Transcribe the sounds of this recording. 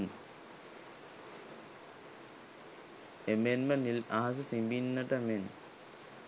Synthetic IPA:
n | emenmɐnilaːɐs̬ɐsimbinːɐʈɐmen

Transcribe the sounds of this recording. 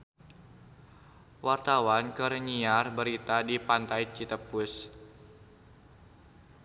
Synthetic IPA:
wart̪awankəɾəɲiarbəɾit̪adipant̪ajt͡ʃit̪əpʊs

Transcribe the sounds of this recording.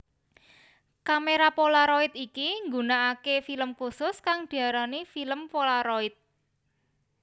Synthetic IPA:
kameɾapolaɾoit̪̚ikiŋɡunaːkefiləmkusʊskaŋd̪̥i̤aɾanifiləmpolaɾoɪt̪̚

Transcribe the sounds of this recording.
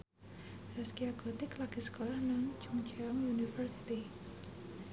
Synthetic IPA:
saskiaɡo̤t̪iklaɡ̥isə̥kolahnaŋt͡ʃuŋt͡ʃaɔŋjunifərsi̥t̪i

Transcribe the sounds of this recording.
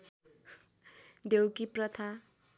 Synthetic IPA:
ɖewkiprʌt̪ʰa

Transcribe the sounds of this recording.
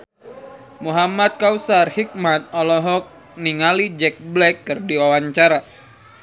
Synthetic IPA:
muɦamat̪̚kausarhik̚mat̪̚ɔlɔɦɔk̚ | niŋalid͡ʒɛk̚blɛkːɨrdiwawaɲt͡ʃaɾa

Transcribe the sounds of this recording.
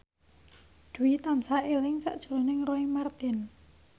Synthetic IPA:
d̪̥uwit̪ansaʔelɪŋsa̰ʔd̥ʒ̥ṳlonɪŋroɪŋmart̪ɪn

